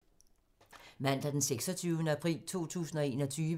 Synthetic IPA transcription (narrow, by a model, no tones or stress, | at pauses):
mæn̰d̥æɐd̥enseɡ̥sɒ̽t͡sʰyʊnəæpʰʁḭːlt͡sʰo̝̰ːt͡sʰṵːsn̩ɒ̽e̝ːnɒ̽t͡sʰyːʋə